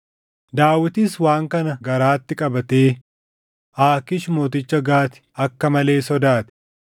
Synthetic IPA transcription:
d̪aːwɪt̪ɪswaːŋkɐnɐɡɐɾaːt̪ːɪkʼɐbɐt̪eː | ʔaːkɪʃmo̞ːt̪ɪt͡ʃːɐɡaːt̪ɪ̥ɐkːɐmɐle̞ːsɔd̪aːt̪ɪ̥

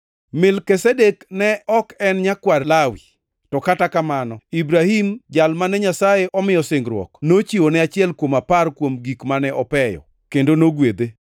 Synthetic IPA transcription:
mɪlkesedeknɛɔkɛnɲakwarlawi | tɔkatakamanɔibɾahimd͡ʒalmanɛɲasajeʔɔmɪjɔsɪŋɡɾwɔ̰knot͡ʃiwonɛat͡ʃɪɛlkwomaparkwomɡikmanɛʔɔpɛjɔ̰ | kendonoɡwed̪e

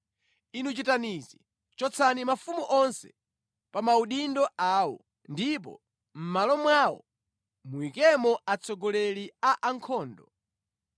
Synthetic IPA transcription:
inut͡ʃitanizi | t͡ʃɔt͡sʰanimafumuʔɔnsɛ̥̰ | pamauɗindɔaːwɔ̰ | ndip̬ɔ̰ | m̩malɔmwawɔ̰ | muikɛmɔat͡sɔɡɔlɛliaʔaŋkʰɔːndɔ

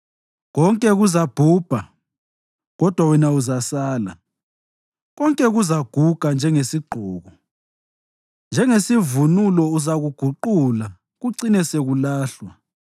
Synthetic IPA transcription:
ɣɔŋkʼɛɣuzab̥ʱuːb̥ʱa | ɣɔd̥ʱwawɛnauzasaːla̰ | ɣɔŋkʼɛɣuzaɡ̥ʱuɡ̥ʱand͡ʒʱɛŋesiɡ͡ǃʱɔːɣɔ | nd͡ʒʱɛŋesivunulɔuzaɣuɡ̥ʱuǃula | ɣuǀinɛseɣulaːɬwa

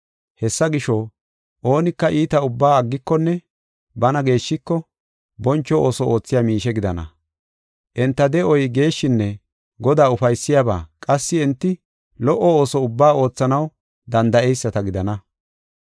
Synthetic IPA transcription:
hɛsːɐɡɪʃɔ | ʔo̞ːnɪkːɐʔiːt̪ɐʊbːaːɐɡːɪkːɔnːɛ | bɐnɐɡe̞ːʃːɪkːɔ | bɔnt͡ʃːɔoːsɔo̞ːt͡sːɪjamiːʃɛɡɪd̪ɐnɐ̰ | ʔɛnt̪ːɐd̪ɛɔjɡe̞ːʃːɪnːɛ | ɡɔd̪aːʊfɐjsːɪjaːba̰ːkʼɐsːɪɛnt̪ːɪ | lɔʔɔoːsɔʊbːaːo̞ːt͡sːɐnɐw | d̪ɐnd̪ɐʔɛjsːɐt̪ɐɡɪd̪ɐnɐ

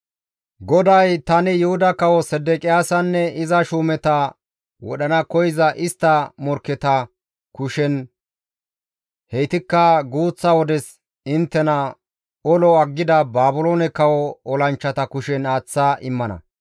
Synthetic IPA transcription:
ɡɔd̪ɐjt̪ɐnɪjʊhʊd̪ɐkɐwɔsɛd̪ɛkʼɪjaːsɐnːɛɪzɐʃuːmɛt̪ɐ | wɔ̰ɗɐnɐkɔjɪzɐʔɪst̪ːɐmɔɾkːɛt̪ɐ | kʊʃɛn | hɛjt̪ɪkːɐɡuːt͡sːɐwɔd̪ɛs | ɪnt̪ːɛnɐ | ɔlɔɐɡːɪd̪ɐbaːbʊloːnɛkɐwɔɔlɐnt͡ʃːɐt̪ɐkʊʃɛnaːt͡sːaːʔɪmːɐnɐ̰

